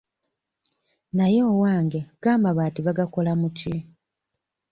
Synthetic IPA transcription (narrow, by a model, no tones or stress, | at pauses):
najo̞ːwaːŋɡe̞ɡ̥aːmbaβatiβaɡako̞lamutʰi